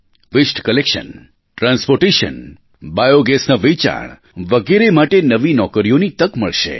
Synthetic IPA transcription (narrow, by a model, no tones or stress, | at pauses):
ʋɪsʈkəlekʃə̰n | ʈɾãnspoɾʈeʃə̰n | bajoɡesnaʋet͡ʃa̰ɳ | ʋəɡeɾemaʈenəʋinɔkəɾijonit̪əkməɭʃḛ